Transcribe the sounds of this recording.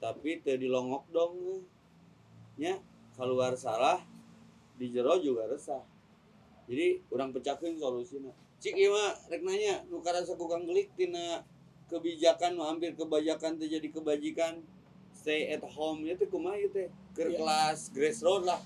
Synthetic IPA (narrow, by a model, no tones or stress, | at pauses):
t̪apit̪ədilɔŋɔk̚dɔŋna | ɲa | kaluarsalah | did͡ʒəɾɔd͡ʒuɡaɾəsah | d͡ʒadiuɾaŋpət͡ʃakinsolusina | t͡ʃikimarɛk̚naɲanukaɾasakukaŋɡlik̚t̪ina | kəbid͡ʒakanːuɦampɪrkəbad͡ʒakant̪əd͡ʒadikəbad͡ʒikan | st̪ejɛt̪homjat̪əkumajut̪ə | kərkəlasɡɾɛsrot̪lah